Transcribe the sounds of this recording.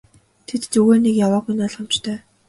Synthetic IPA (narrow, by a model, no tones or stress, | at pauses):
t̪ʰet̪t͡sɵɣeːnekjawaːɣujnɔɮχam̥t͡ɕt̪ʰœː